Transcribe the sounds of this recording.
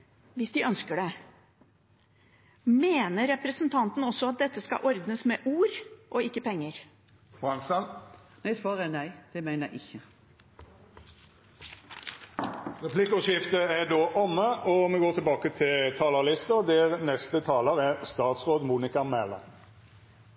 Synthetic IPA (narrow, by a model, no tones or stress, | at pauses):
ʋɪsd̪ɪʔœnskəɖɛ | meːnəɾɛpɾəsnt̪ʰɑnt̪n̩ɔsːɔɑt̪̚d̪ɛt̪ːəskɑ̰ʔɔɾd̪nəsmɛːʔuːɾʔoɪkːəpʰɛŋːəɾ | bʁɑnsɑnnæɪsʋɑːʁɛnæɪd̪̥ɛmæɪnəæ̰ɪʔɪçːə | ʁɛpʰlɪkʊʂɪft̪əæɖ̪oːʔɔmːəɔmɛɡoːt̪ʰɪlbɑːkət̪ʰɪlt̪ʰɑːləʁlɪst̪əd̪ɛʁnɛst̪ət̪ʰɑːləɾæʁst̪ɑːt̪sʁoːd̪muːnɪkɑmɛlə̰